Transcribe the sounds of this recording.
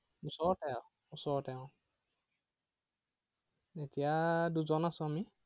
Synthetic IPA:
usɔɹɔtɛ | usɔɔtɛʊ̃ | etijaduzɔnasʊ̃ami

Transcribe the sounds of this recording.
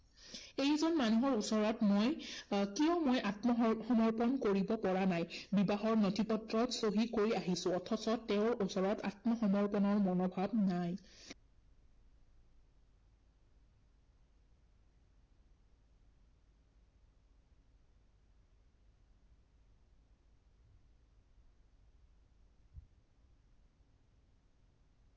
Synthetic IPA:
ejzɔnmanuɦɔɹusɔɹɔtmojkiɔmojʔatmɔxɔmɔɹpɔnkoɹibɔpɔɹanajbibaɦɔɹnotʰipɔtɹɔtsoɦikoɹiaɦisʊ̃ɔtʰɔsɔtɛʊɹusɔɹɔta̰tmɔxɔmɔɹpɔnɔɹmɔnɔbʱab̚naj

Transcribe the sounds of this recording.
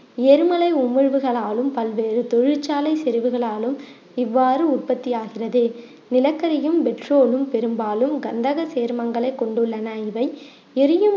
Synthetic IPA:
ɪɛɾmɐlɐɪʊmɪɻʋɯɣɐɭaːlɯmpɐlʋeːɾɯt̪ɔɻɪɻt͡ʃːaːlɐɪsɛɾɪʋɯɣɐɭaːlɯm | ɪʋːaːɾɯʊr̚pɐt̪ːɪjaːɣɪrɐðɯ | nɪlɐkːɐɾɪjɯmbɛʈroːlɯmpɛɾɯmbaːlɯmɡɐnd̪ɐɣɐseːɾmɐŋɡɐɭɐɪkːɔɳɖɯɭːɐnɐɪʋɐɪ | ɛɾɯjɯm

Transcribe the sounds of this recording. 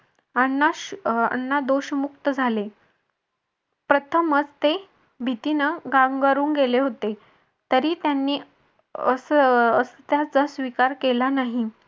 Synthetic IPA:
anːaa̰nːad̪oɕmuk̚t̪əd͡zʱale | pɾət̪ʰəmət͡st̪e | bʱit̪inəɡãŋɡəɾuːŋɡeleɦot̪e | t̪əɾiːt̪janːiː | əsəst̪jat͡sasʋikaɾkelanaɦi

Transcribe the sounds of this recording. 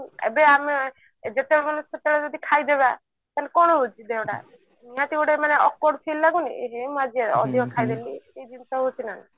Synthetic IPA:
ḛbeame | d͡ʒet̪eɽɔmanusɔt̪eɭɔd͡ʒɔd̪ikʰajd̪eβa | t̪alekɔɽ̃ɔɦut͡ʃʰid̪eɦõɽa̰ | niɦãt̪iuɽemaneʔɔkɔɽpʰilːaɡunḭeɦemũad͡ʒieɔ̰d̪ʱikɔkʰajd̪eliejd͡ʒinsɔɦut͡ʃʰinana

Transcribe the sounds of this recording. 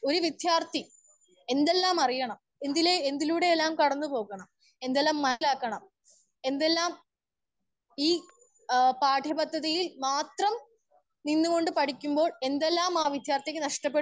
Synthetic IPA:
o̞ɾuʋid̪jaːrt̪ʰi | e̞nd̪e̞lːaːmɐrijɐɳɐm | end̪ileend̪iluːɽe̞elːaːmkɐɽɐnːɨpo̞ːɣɐɳɐm | e̞nd̪elːaːmːɐlaːkːɐɳɐm | e̞nd̪e̞lːaːm | iː | paːʈʰjɐbɐd̪ʱːɐðijilmaːt̪rɐm | ninːuko̞ɳɖɨpɐʈʰikʲːumbo̞ːɭe̞nd̪e̞lːaːmaːʋid̪ʱjaːrt̪ikʲːɨnɐʂʈɐp̬ːe

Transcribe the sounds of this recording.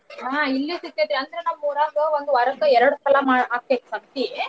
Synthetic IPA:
ɦailːesit̪ːed̪ɾiɐnd̪ɐɾenamːuːɾaːɡɐʋond̪uɐɾɐkːɐɛɾɐɽut̪ɐlamaːɽɦaːk̚ːekːsɐmt̪i

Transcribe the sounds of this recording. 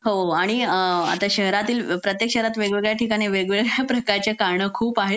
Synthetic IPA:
ɦoaɽ̃ia̰t̪aɕəɦɾat̪iːlpɾət̪jekɕəɦɾat̪ʋeɡʋeɡɭjaʈʰikaɽ̃iʋeɡʋeɡɭjapɾəkaɾt͡ɕjakaɾɳəːkʰuːpaɦe

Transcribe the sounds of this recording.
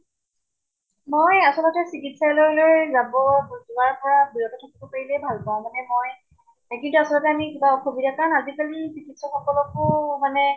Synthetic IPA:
mojasɔlɔtɛsikitsajlojlojzabɔzʊaɹpɔɹabiɹɔtɔtʰakibɔpaɹilɛbʱalpaʊ̃manɛmoj | kintuasɔlɔtɛamikibaɔkʰobidakanazikalisikitsɔxɔkɔlɔkʊmanɛ

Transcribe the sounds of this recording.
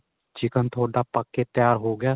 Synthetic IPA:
d͡ʒɪkənt̪ʰoːɖaːpəkːeːt̪jaːɾɦoːɡɪjaː

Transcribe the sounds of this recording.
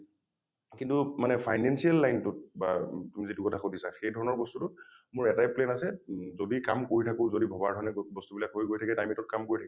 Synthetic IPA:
kintumanɛpʰajnɛnsialːajntʊt̚batumizitukɔtʰaxodisaxejdʱɔɹɔnɔɹbɔstutʊt | mʊɹɛtajplɛnasɛzodika̰mkoɹitʰakʊzodibʱɔbaɹdʱɔɹɔnɛbɔstubilakɦojɡojtʰakɛtajmitɔt̚kamkoɹitʰakɛ

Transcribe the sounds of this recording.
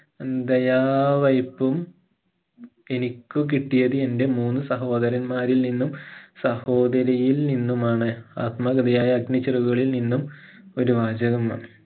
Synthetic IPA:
d̪ɐjaːʋɐjpːum | e̞nikʲːuk̬iʈːijɐðɨe̞nde̞muːnːusɐɦo̞ːd̪ɐɾɐnmaːɾilninːumsɐho̞ːd̪ɐɾɐjilninːumaːɳɨa̰ːt̪mɐɡɐd̪ɐjaːjɐːɡnɐt͡ɕiruɣɣɐɭilninːum | o̞ɾuʋaːd͡ʑɐɣɐma̰ːɳɨ

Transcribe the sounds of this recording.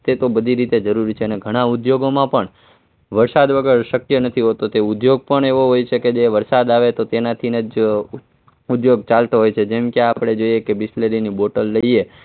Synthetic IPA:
t̪et̪obəd̪ʱiɾit̪ed͡ʒəɾuɾit͡ʃʰeəneɡʱəɽ̃ãud̪joɡomãpəɳ | ʋəɾsad̪ʋəɡəɾʃəkjənət̪ʰiɦot̪ot̪eud̪joɡ̚pəɳeʋoɦojt͡ʃʰeked͡ʒeʋəɾsad̪aʋet̪ot̪enat̪ʰined͡ʒ | ud̪joɡt͡ʃalt̪oɦojt͡ʃʰed͡ʒemkeapɽ̃ed͡ʒoiekebɪsleɾiniboʈəlːəie

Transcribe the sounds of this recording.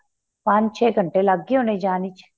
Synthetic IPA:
pãːt͡ʃt͡ʃʰeːɡʱəɳʈelɐɡːiõned͡ʒaːnit͡ʃʰ

